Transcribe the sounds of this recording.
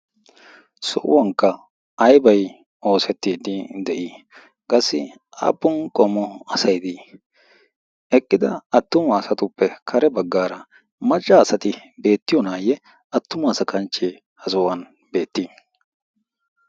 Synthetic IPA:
sɔ̰ʔʊ̰wɐŋkːɐ | ɐjbɐj | o̞ːsɛt̪ːiːd̪ɪd̪ɛʔi | kʼɐsːɪ | ʔa̰ːpːʊnkʼɔmɔɐsɐjd̪i | ɛkʼːɪd̪ɐɐt̪ːʊmɐːsɐt̪ʊpːɛkʰɐɾɛbɐɡːaːɾɐ | mɐt͡ʃʼːɐːsɐt̪ɪbe̞ːt̪ːɪjɔnaːjɛ | ɐt̪ːʊmɐːsɐkʰɐnt͡ʃːeː | hɐzɔwɐn | be̞ːt̪ːi

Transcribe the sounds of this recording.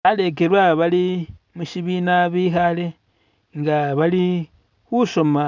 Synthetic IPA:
ale̞k̬e̞ɾwaβali | muʃiβinaβiːxale̞ | ŋɡaβali | xuʃo̞ma

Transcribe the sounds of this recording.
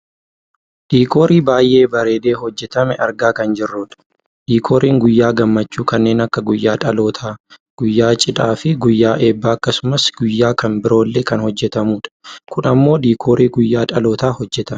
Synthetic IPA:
d̪̥iːko̞ːɾiːbaːjʔe̞ːbɐɾe̞ːd̪e̞ːhɔd͡ʒːɛt̪ɐmɛʔɐɾɡaːkɐnd͡ʒɪrːuːᶑɐ̥ | d̪̥iːkʰoːɾʔiːŋɡʊjːaːɡɐmːɐt͡ʃːuːkɐnːe̞ːnɐkːɐɡʊjːaːᶑʼɐlo̞ːt̪ʰaːɡ̥ʊjːaːt͡ʃʼɪᶑaːfɪɡʊjːaːʔe̞ːbːaːɐkːɐsʊmɐsɡ̥ʊjːaːkɐmbɪɾo̞ːlːe̞ːkɐnhɔd͡ʒːɛt̪ɐmuːᶑɐ̥kʊnɐmːo̞ːd̪iːkʰoːɾʔiːɡʊjːaːᶑʼɐlo̞ːt̪aːhɔd͡ʒːɛt̪ɐ

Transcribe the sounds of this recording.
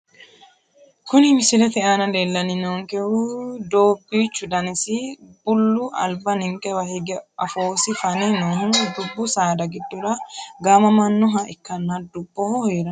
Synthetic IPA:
kʊnɪmɪsɪlɛt̪ɛʔaːnɐleːlːɐnɪnoːŋkʼɛhud̪oːbːiːt͡ʃːʊd̪ɐnɪsɪbʊlːʊʔɐ̰lbɐnɪŋkʼɛwɐhɛɡɛʔɐfoːsɪfɐnɛnoːɦʊnd̪ʊbːʊsaːd̪ɐɡɪd̪ːʊɾɐɡɐːmɐmɐnːʊɦɐʔɪkːɐnːɐd̪ʊbːɔhɔhɾɐn

